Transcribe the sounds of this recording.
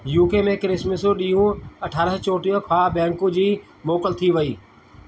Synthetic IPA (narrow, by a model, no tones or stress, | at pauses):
juːkemẽkɾɪsməsoɗiːɦũɐʈʰaːɾəɦt͡ɕoːʈiɦõkʰabɛ̃ːɳkũd͡ʑiː | moːkəlt̪ʰiʋɐiː